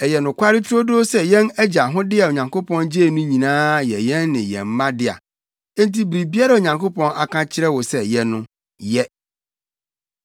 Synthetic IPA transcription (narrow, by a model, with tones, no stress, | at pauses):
ɛ˨jɛ˨nʊ̃˨kʷʰa˦ɾɪ˦tʰɾo˦do˦sɛ˦jɛ̃˦næ˦d͡ʑa˨ɦʊ̃˦dɪ˦ɛ˨o˨ɲã˨ŋko˦pʰɔ̃˦nd͡ʑe˦˨nũ˦ɲĩ˨nãː˦jɛ˨jɛ̃˦nːɪ̃˨jɛ̰̃˨m̩˦mã˦dɪ˦a̰˨ | ɛ˦n˦ti˦bɾi˨bi˦a˦ɾɛ˦˨o˨ɲã˨ŋko˦pɔ̃˦na˨kʰã˦t͡ɕʰɪ˦ɾɛ˦wɔ˨sɛ˨jɛ˦nʊ̃˦ | jɛ˦